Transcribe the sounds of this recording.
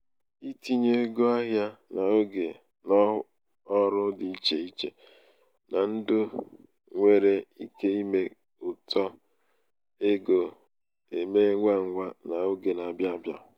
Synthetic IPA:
i˦ti˦ɲe˦ɡo˦a˦ɦja˦na˨o˦ɡe˨ | nɔ˦ | ɔ˦ɾʊ˦dɪ˨i˦t͡ʃe˨i˦t͡ʃḛ˨ | na˨n̩˦dʊ˦ | ŋʷe˦ɾe˦i˦ke˦i˦me˦ | ʊ˨tʰɔ˦ | e˦ɡo˨ | e˨me˦ŋʷa˦ŋ̩˦ŋʷa˦na˨o˦ɡe˨na˨bja˦bja̰˨

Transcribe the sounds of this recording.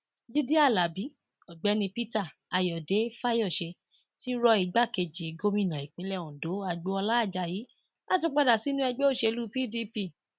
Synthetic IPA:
d͡ʒi˦di˦a˦˨la˨bi˨˦ | ɔ˨ɡ͡bɛ˨˦nĩ˧pi˦ta˦˨a˨jɔ˨de˨˦fa˦jɔ˦˨ʃe˧ | ti˦ɾɔ˧i˧˨ɡ͡ba˦˨ke˧d͡ʒi˨ɡo˦mĩ˦nã˨i˨k͡pĩ˨˦lɛ˦˨ũ˨do˨˦a˧ɡ͡bo˨˦ɔ˧la˦˨d͡ʒa˧˨ji˨˦ | la˦tĩ˧˦k͡pa˧da˨si˨˦nũ˦ɛ˧ɡ͡bo˦o˦˨ʃe˧lu˦pi˦˨di˦pi˦˨

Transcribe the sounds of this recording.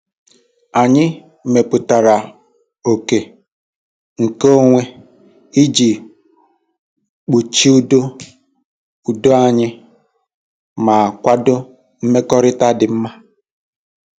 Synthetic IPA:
a˨ɲɪ˦ | m̩˨me˨pʊ˨ta˨ɾa˨ | o˨ke˨ | ŋ̩˨ko˦o˦ŋʷe˦ | i˦d͡ʒi˨ | k͡pu˨t͡ʃi˦u˦do˦ | u˨do˦a˨ɲɪ˦ | ma˨kʷa˦dʊ˦ | m̩˦me˦kɔ˦ɾɪ˦ta˦dɪ˨m̩˦ma˦

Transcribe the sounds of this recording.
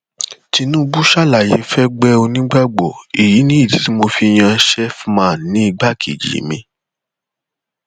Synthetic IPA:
ti˧nũ˦bu˦ʃa˦˨la˨je˨˦fɛ˦ɡ͡bɛ˦o˧nĩ˦ɡ͡ba˦ɡ͡bɔ˨i˨ji˨˦nĩ˦i˦˨ti˨˦ti˦mo˧fi˧j̃ã˧ʃɛ˦fmã˨n˨nĩ˨˦i˦˧ɡ͡ba˦˨kʰḭ˨d͡ʒḭ˨˦mĩ˧

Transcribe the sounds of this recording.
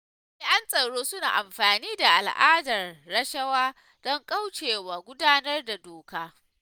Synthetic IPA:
ʔɪ˦ʔa˦nsʼɐ˨ɽoː˦sʊ˦na̰ː˨ʔa˨mɸaː˨niː˦da˨ʔa̰˨lʔa̰ː˦dɐ˨rːɐ˦ʃɐ˦waː˦ | d̥ɔ˦ŋkʼɐ˦wt͡ʃeː˨waː˨ɡʷʊ˦daː˦nɐ˦rda˨doː˨kaː˦

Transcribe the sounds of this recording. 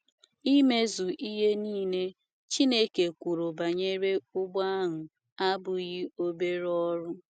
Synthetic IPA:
i˦me˦zu˨ʔi˦ɦe˦niː˦ne˦ | t͡ʃi˦ne˦ke˨kʷu˨ɾo˨ba˨ɲe˦ɾe˦ʊ˦ɡ͡ba˦ɦʊ˨ | a˦bʊ˨ɣɪ˦o˦be˦ɾɔ˦ɾʊ˦

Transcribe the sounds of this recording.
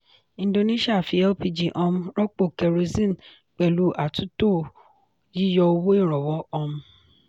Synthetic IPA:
ĩ˧˨˦do˧ne˦ʃi˦a˦˨fi˧˦ɛ˦lpi˧d͡ʒi˨ʔɔ˧mũ˦ɾɔ˦k͡po˦˨kɛ˨ɾo˧zĩ˦n˨ | k͡pɛ˨lu˨˦ʔa˨tu˦to˦˨ | ji˦jɔ˧o˧wo˦e˦˨ɾɔ˨wɔ˨˦ɔ˧mũ˧

